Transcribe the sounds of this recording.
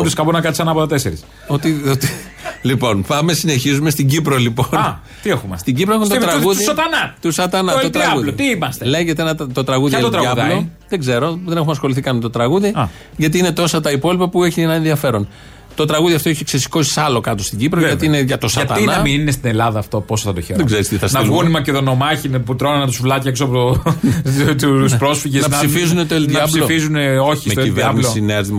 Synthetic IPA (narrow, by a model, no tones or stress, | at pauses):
d̪iskɐponɐkɐt̪isɐnɐpot̪ɐt̪eseɾis | ot̪iot̪i | lipo̞npɐme̞sine̞çizume̞st̪iɲɟipɾo̞lipon | t̪iexumst̪iɟipɾoexumet̪t̪ɾɐɐɣuðisɐt̪ɐnɐt̪usɐt̪ɐnɐtot̪ɐɐɣuðloit̪iimɐst̪ele̞ʝet̪enɐt̪t̪o̞t̪ɾɐɣuðiɐɐot̪ɾɐɐvloðe̞ɡze̞ɾoðe̞ne̞xumɐsxo̞liθikɐnmet̪ot̪ɾɐɣuðiɐ | ʝɐt̪iːine̞t̪o̞sɐt̪ɐipo̞lipɐpue̞çienɐenðiɐfe̞ɾo̞n | t̪o̞t̪ɾɐɣuðiɐft̪oeçiksesi̥ko̞si̥sɐlo̞kɐt̪ost̪iɟipɾojɐt̪iineʝɐt̪o̞sɐɐt̪ɐinnnɐmininest̪ine̞lɐðɐːft̪opo̞soθɐt̪oçeɾðeɡzeɾist̪iθɐsnɐɣunimɐcet̪ono̞mɐçinɐput̪ɾo̞nɐnɐt̪usvlɐcieksoɐpot̪o | t̪uspɾo̞sfiʝesnɐsifizunet̪oelt̪ɐplsiofizuneo̞çismet̪oeiveɾnissineɾzðimɐ